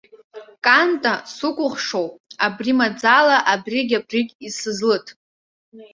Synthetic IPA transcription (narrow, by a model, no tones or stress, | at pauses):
kʼantʼasukʷʼʊχʂowpʼabrimad͡zalaʔabriɡʲabriɡʲisɨzlɨtʰʼ